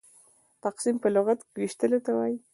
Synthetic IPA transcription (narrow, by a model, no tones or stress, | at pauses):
t̪aqsimpəlʊɣat̪kewiʃt̪əlot̪awaji